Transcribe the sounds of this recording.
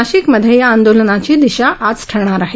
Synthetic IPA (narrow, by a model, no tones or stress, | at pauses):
aɕikməd̪ʱjejaːnd̪olənat͡ɕiːd̪iɕaʔat͡sʈʰəɾɳ̃aɾaɦi